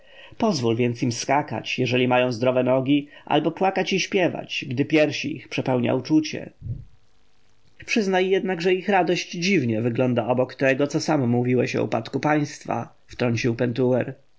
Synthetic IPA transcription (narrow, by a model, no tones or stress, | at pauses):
pɔzvulvʲjɛnt̪simskaka̰t͡ɕjɛʐɛlʲimajɔ̃w̃zd̪ɾɔvɛnɔɡʲiʔa̰lbɔpwakat͡ɕiɕpʲjɛva̰t͡ɕɡd̪ɘpʲjɛɾɕiḭxpʂɛpɛwɲa̰ut͡ʂut͡ɕɛ̰ | pʂɘznajːɛd̪naɡʐɛixɾad̪ɔɕd͡ʑd͡ʑivɲɛvɘɡlɔnd̪aɔbɔkt̪ɛɡɔt̪sɔsamɔmuvʲiwɛɕɔ̰ṵpat̪kupaj̃st̪fa̰ | ft̪ɾɔɲt͡ɕiwpɛnt̪uwɛɾ